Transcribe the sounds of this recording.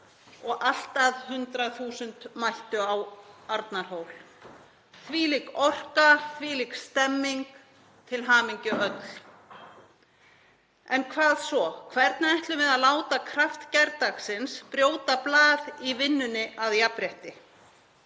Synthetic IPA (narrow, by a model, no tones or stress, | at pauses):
ɔɣal̥t̪aðhʏnt̪ɾaθuːsʏnt̪majht̪ʏawaɾt̪naɾ̥ɦoːwl | θviːlikɔr̥kaθviːlikst̪ɛmːiŋk | t̪ʰɪlɦaːmiɲcʏœt̪l̥ | ɛnkʰvaːðsvɔkʰvɛɾt̪naajht̪lʏmɪðaðlaːwt̪akʰɾaft̪cɛɾt̪aksɪnspɾjoːwt̪aplaːðivɪnːʏnɪʔaðjapɾjɛht̪ɪ